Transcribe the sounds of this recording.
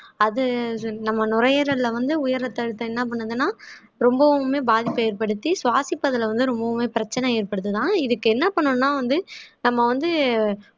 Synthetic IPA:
ɐðɯnɐmːɐnʊɾɐjɐɾɐlɐʋɐnd̪ɯʊjɐɾɐt̪ːɐɻɯt̪ːɐ̃ɛnːɐp̬ɐɳːɐðɯnːaː | ɾɔmbɐʋmeːbaːðɪpːeːɾpɐɽɯt̪ːisʋaːsɪpːɐðɐlʋɐnd̪ɯɾɔmbɐʋʊmeːpɪɾɐt͡ʃːɐnɐeːɾpɐɽɯt̪ːɯt̪ãːɪðɯkːɯɛnːɐpɐɳːɯnːaːʋɐnd̪ɯnɐmːɐʋɐnd̪ɯ

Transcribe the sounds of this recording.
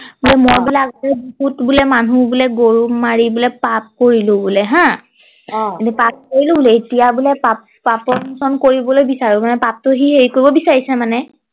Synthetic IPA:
bulɛmɔɹbilakɛbikutbulɛmanubulɛɡoɹumaɹibulɛpap̚koɹilʊ̃bulɛɦã | enipap̚koɹilʊ̃bulɛetijabulɛpap̚ | papɔɹnusɔnkoɹibɔlojbisaɹumanɛpap̚tʊɦiɦeɹikoɹibɔbisaɹisɛmanɛ

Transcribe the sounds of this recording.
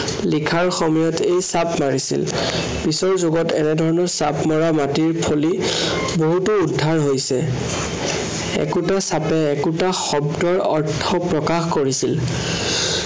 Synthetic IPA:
likʰaɹxɔmɔjɔtʰejsapmaɹisḭl | pisɔɹzoɡɔtɛnɛdʱɔɹɔnɔɹsapmɔɹamatiɹpʰoli | boɦutuːdʱːaɹɦojsɛ | ɛ̰kutasapɛːkutaxɔbdɔɹɔɹtʰːɔpɹɔkaxkoɹisil

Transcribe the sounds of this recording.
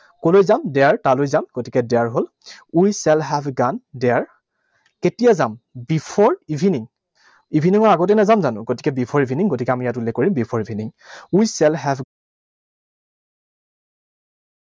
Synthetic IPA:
kolojzamdɛaɹtalojzamɡotikɛdɛaɹɦol | ujsɛlɦɛbʱɡandɛaɹ | ketijazambipʰɔɹibʱiniŋ | ibʱiniŋɔɹaɡɔt̬ɛnazamzanʊ̰ɡotikɛbipʰɔɹibʱiniŋɡotikɛamijatulːɛkːoɹimbipʰɔɹibʱiniŋujsɛlɦɛbʱ

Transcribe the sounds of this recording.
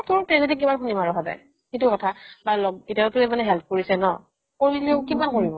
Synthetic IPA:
tʊɹtɛzɛtik̬imanxunimaɹɔɦaza̰j | xetʊkɔtʰabalɔɡitatʊemanɛɦɛlp̚ʰkoɹisɛnɔ̰ | koɹilɛʊkibankoɹibɔ

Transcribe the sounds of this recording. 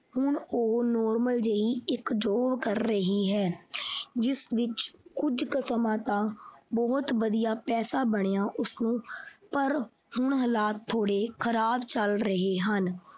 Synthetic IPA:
hʊɳoːnɔːɾməld͡ʒəiːɪkd͡ʒoːʋkəɾːəɦiːɦɛː | d͡ʒɪsʋɪt͡ʃkʊd͡ʒkəsmãːt̪ãːbɔːt̪ʋəd̪ijaːpɛːsaːbəɽ̃ejãːʔʊsnũːpəɾ | hʊɳɦəlaːt̪ʰːoːɽeːkʰəɾaːbt͡ʃəlɾəɦeːɦən

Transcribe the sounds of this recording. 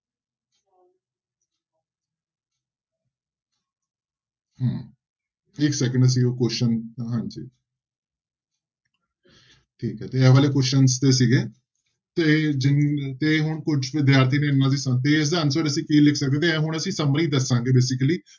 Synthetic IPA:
ɦãː | ɪksɛːkə̃ɳɖəs̬ĩːokoʃənɦãːɲd͡ʒiː | ʈʰiːkɦɛːt̪eːɛːʋaːleːkoʃənst̪eːsiːɡeː | t̪eːd͡ʒɪŋt̪eːɦʊɳkʊd͡ʒʋɪd̪jaːɾt̪ʰiːneːɪnːãːd̪iːsət̪eːɪs̬d̪aːənsəɾəsĩːkiːlɪkʰsək̚d̪eːt̪ʰeːɛːɦʊɳ̃əsĩːsəməɾiːd̪əsãːŋɡeːbeːs̬ɪkəliː

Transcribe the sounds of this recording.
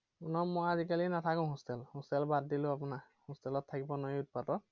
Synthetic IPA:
unɔmojazikalinatʰakʊ̃ɦostɛlhostɛlbad̚dilʊ̃ap̬ʊna | hustɛlɔtʰːakibɔnojut̚patɔt̚

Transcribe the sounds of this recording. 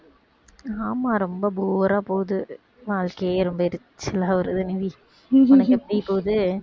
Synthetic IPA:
aːmaːɾɔmbɐbuːɾaːpoːðɯ | ʋaːɭkɐɾɔmbɐɪɾɯt͡ʃːɪlaːɐɾɯðɯnɪʋi | ʊnɐkːɛpːɐɽijpoːðɯ

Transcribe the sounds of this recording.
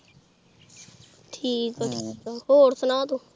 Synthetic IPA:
ʈʰiːkaːʈʰiːkaːhoːɾsənaːt̪u

